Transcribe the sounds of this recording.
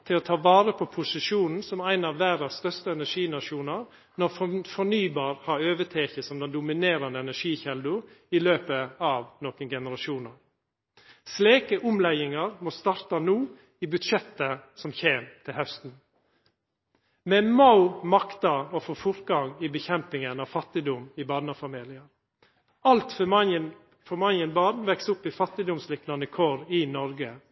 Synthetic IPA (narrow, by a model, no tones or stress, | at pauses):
t̪ʰɪloːt̪ʰɑːʋɑːɾəpʰɔpʰʊsɪʃuːnn̩sɔmæɪnɑʋːæɾɑsst̪œst̪əɛnæʂiːnɑʂjuːnɑɾ | nɔɾfɔnyːbɑːɾhɑɾøːʋət̪ʰeːçəsɔmd̪ɛnd̪ʊmɪneːɾɑnəɛnæʂiːçɛld̪ʊɪløːpəɑʋnoːkənɡɛnəɾɑʃuːnɑɾ | sleːkəʔʊmlɛɪɪŋɑɾmoːst̪ɑɾt̪ɑnuː | iːbʉd̪ʂɛt̪ːəsɔmçeːmt̪ʰɪlhœst̪n̩ | mɛmaʊmɑkt̪ɑofoːfʊɾt̪ɡɑŋiːbəçɛmpɪŋənɑʋfɑt̪ːɪd̪ʊmɪbɑːd̪nɑfɑmiːlɪəɾ | ɑlt̪fɑnən | fɔmɑnjənbɑːd̪nʋɛksʊpːɪfɑt̪ːɪd̪ʊmslɪknɑnəkʰoːɾɪnɔɾɡə